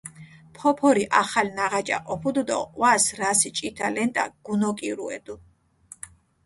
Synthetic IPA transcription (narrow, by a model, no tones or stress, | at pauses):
pʰɔpʰɔɾiʔaχalnaʁat͡ʃʼa̰ʔɔpʰud̪ud̪ɔ̰qʼwasɾasit͡ʃʼit̪ʰalɛnt̪ʼa̰ɡ̥unɔkʼiɾṵɛ̰d̪u